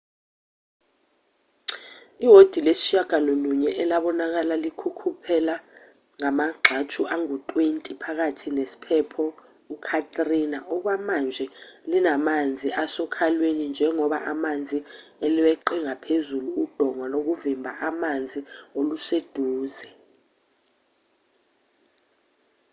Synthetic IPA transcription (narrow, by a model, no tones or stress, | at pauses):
iɦod̥ʱilesi̥ʃaɡ̥ʱanoluɲɛʔɛlaɓɔnak̬alalikʰukʰupʰɛla | ŋamaɡ͡ǃʱat͡ʃʰuʔaŋutʼwentʼipʰak̬atʰinesi̥pʰɛpʰɔ | ukʰatʼrinaɔk̬wamand͡ʒʱɛlinamand͡zʱiasɔkʰalwenind͡ʒʱɛŋɔɓa̰ʔamand͡zʱiɛliwɛǃɛŋapʰezuluːd̥ʱɔŋwanok̬uvimbʱaʔamand͡zʱiolused̥ʱuːzɛ